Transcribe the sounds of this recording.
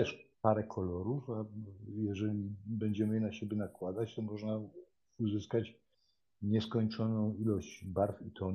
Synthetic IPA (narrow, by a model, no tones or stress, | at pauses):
ɛʂpaɾɛkʰɔlɔɾufajɛʐɛlʲibɛɲd͡ʑɛmɘjɛnaɕɛbʲjɛnakwad̪at͡ɕt̪ɔmɔʐna | uzɘskat͡ɕ | ɲɛskɔɲt͡ʂɔnɔ̃w̃ilɔɕd͡ʑbaɾfit̪ʰɔn